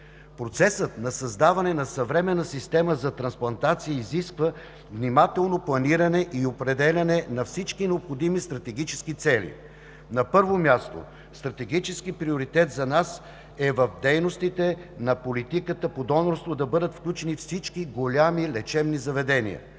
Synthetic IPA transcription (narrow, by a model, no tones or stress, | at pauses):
pɾot̪sɛsət̪nɐsɐzd̪avɐnɛnɐsɐvɾɛmɛnːəsist̪ɛməzɐt̪ɾɐnsplˠɐnt̪at̪sijəiziskvə | vnimat̪ɛlˠnoplˠɐniɾɐnɛʔiopɾɛd̪ɛlʲɐnɛnɐfsit͡ʃkinɛopxod̪imist̪ɾɐt̪ɛɡit͡ʃɛskit̪sɛlʲḭ | nɐpɤɾvomʲjast̪o̰ | st̪ɾɐt̪ɛɡit͡ʃɛskipɾioɾit̪ɛt̪zɐnas | ɛvəfd̪ɛjnost̪it̪ɛnɐpolit̪ikət̪əpod̪ɔnoɾst̪vod̪ɐbɤd̪ət̪fklʲut͡ʃɛnifsit͡ʃkiɡolʲamilɛt͡ʃɛbnizɐvɛd̪ɛnḭə̰